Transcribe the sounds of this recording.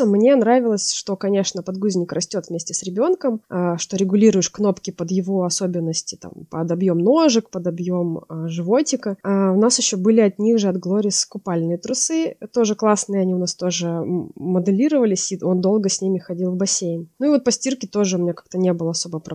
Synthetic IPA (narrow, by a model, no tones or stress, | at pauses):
mnʲenɾavʲɪlˠəsʲʂt̪o̞kɐnʲe̞ʂnəpɐd̪ɡuzʲnʲɪkrɐsʲtʲo̞t̪vmʲesʲtʲɪsɾʲɪbʲo̞nkəməʂt̪o̞ɾʲɪɡʊlʲiɾʊjɪʂkno̞pkʲɪpəd̪jɪvo̞ɐsobʲɪnːəsʲtʲɪ̥t̪a̰mpəd̪ɐbjo̞mno̞ʐɨkpəd̪ɐbjo̞məʐɨvo̞tʲɪkəaʊnasjɪɕːobɨlʲɪɐt̪nʲixʐɨɐd̪ɡlˠo̞ɾʲɪskʊpalʲnɨjət̪ɾʊsɨt̪o̞ʐɨklˠasnɨəɐnʲiʊnast̪o̞ʐɨməd̪ɨlʲiɾəvəlʲɪsʲio̞nd̪o̞lˠɡəsʲnʲimʲɪxɐdʲilˠvbɐsʲejnnuivo̞t̪̚pɐsʲtʲirkʲɪt̪o̞ʐɨʊmʲɪnʲakḁkt̪ənʲebɨlˠəɐso̞bəpɾ